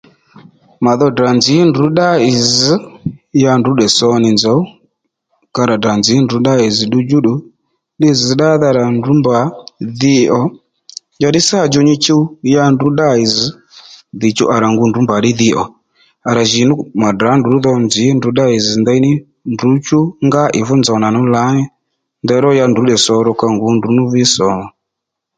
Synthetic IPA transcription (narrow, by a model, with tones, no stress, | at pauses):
ma˨ðɔ˧da˨nzi˨˦ndu˨˦ɗa˦i˨zi˨˦ja˧ndu˨˦ɗɛ˨sɔ˧ni˨nzɔ˨˦u˦ | ka˧ɾa˨da˨nzi˨˦ndu˨˦ɗa˦i˨zi˨ɗu˧d͡ʒu˦ɗu˨ | ɗi˦zi˨ɗa˦ða˧ɾa˨ndu˨˦mba˨˦ði˧ɔ˨ | d͡ʒa˧ɗi˦sa˦˨d͡ʒɔ˧˨ɲi˧t͡ʃi˦u˦ja˧ndu˨˦ɗa˦i˨zi˨˦ | ði˨t͡ʃṵ˦ʔa˨ɾa˨ŋɡu˨˧ndu˨˦mba˨ɗi˦ði˧ʔɔ˨ | a˨ɾa˨ʒi˨˦nu˦ma˨da˨˦ndu˨˦ðɔ˧nzi˨˦ndu˨˦ɗa˦i˨zi˨nd̪a˧˦i˦ni˦ | ndu˨˦t͡ʃu˦ŋɡa˦ʔɪ˨vɔ˦nd͡zɔ˨na˨nu˦la˨˦ɲɛ˦ | ndɛ˧˦ɾɔ˦ja˧ndu˨˦ɗɛ˨sɔ˧ɾɔ˧ka˧ŋɡu˨˦ndu˨˦nu˦vi˦sɔ˨˦˨mɔ˨